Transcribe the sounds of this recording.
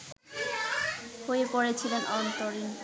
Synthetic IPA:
hoepoɾet͡ɕʰilenɔnt̪oɾin

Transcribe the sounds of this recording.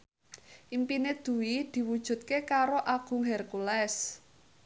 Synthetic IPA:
ʔimpined̪̥ṳwid̪̥i̤wud̥ʒ̥ṳt̪̚kekaɾoʔaɡ̥ṳŋɦɛrkulɛs

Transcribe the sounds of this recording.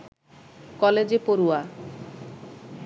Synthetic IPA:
kɔled͡ʑepoɾua

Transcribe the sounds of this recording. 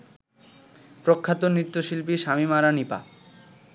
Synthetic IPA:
pɾokʰːat̪onɾit̪ːoʃilpiʃamimaɾanipa̰

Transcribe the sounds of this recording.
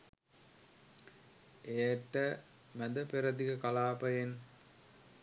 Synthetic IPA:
eːʈːɐ | mæd̪ɐpeɾɐd̪ikɐkɐlaːpɐjen

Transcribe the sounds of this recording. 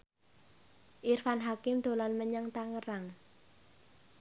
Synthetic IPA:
ʔirfanɦakɪmd̪̥o̤lɔnməɲəŋt̪aŋəɾaŋ

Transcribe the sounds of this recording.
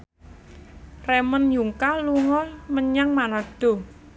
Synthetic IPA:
rɛmənjuŋkaluŋɔlməɲaŋmanɔɖ̥o̤

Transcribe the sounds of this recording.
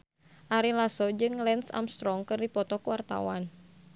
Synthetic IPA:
ʔaɾilasɔd͡ʒɨŋlɛnsa̰mst̪ɾɔŋkɨrdipɔt̪ɔkuwart̪a̰wan

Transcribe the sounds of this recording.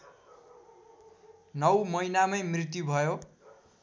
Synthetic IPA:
nʌwmʌjnamʌjmrit̪jubʱʌjo

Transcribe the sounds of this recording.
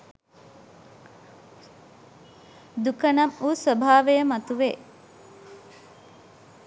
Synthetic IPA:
d̪ukənamuːsʋəbʱaːʋejəmat̪uʋe

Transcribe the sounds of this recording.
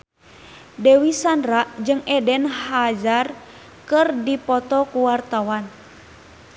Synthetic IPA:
dɛwisanraʔd͡ʒɨŋʔɛdɛnhad͡ʒar | kɨrdipɔt̪ɔkuwart̪awan

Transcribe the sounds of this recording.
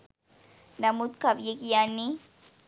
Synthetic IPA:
namut̪̚kabjikijanːi

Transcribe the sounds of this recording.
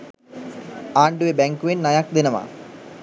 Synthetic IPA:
aːɳɖuʋebeŋkuwinnɐjaːk̚d̪inɐma̰ː

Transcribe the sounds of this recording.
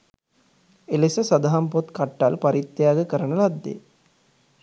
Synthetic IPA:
elesəsad̪aɦampot̪kaʈːalpaɾit̪jaːɡəkəɾənəlad̪ːḛ

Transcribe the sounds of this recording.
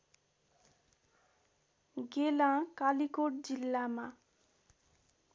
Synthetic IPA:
ɡelãkalikoɽd͡zilːama

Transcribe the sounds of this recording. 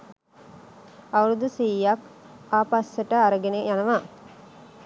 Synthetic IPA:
aʋuɾud̪usiːak | aːpasːəʈəaɾəɡenejanəʋaː

